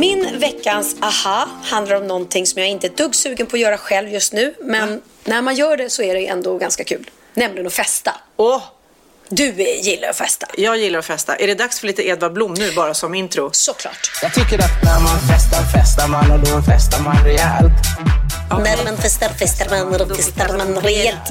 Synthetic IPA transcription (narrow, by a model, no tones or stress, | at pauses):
mɪnvɛkːansahahand̪laɾɔmnɔnt̪ʰɪŋːsɔmjaːɪnt̪əæɖ̪ɵɡsʉ̟ːɡənpʰɔːjœːɾaɧɛlvjɵst̪nʉ̟ːmɛnː | æɾmanjœːɖɛsɔæɖɛjʔɛ̰nd̪ɔɡanskakʰʉ̟ːl | nɛmlɪɡənɔfɛst̪aɔ | d̪ɵjɪlːa̰ɾɔfɛst̪ajɑːɡjɪlːaɾɔfɛst̪a̰ʔæɖɛd̪aksfœɭiːt̪əɛːd̪vaɾblʊmːnʉ̟ːbɑːɾasɔmɪnt̪ɾʊsɔkʰlɑ̰ːʈjɑːɡ̚t̪ʰʏkːəɾat̪̚næɾmanfɛst̪aɾfɛst̪aɾmanaɖɔɛnfɛst̪aɾmanɾɛæːlt̪ː | nɛmɛnfɛst̪aɾfɛst̪aɾmanɾɛfɛst̪aɾmanɾɛɛlt̪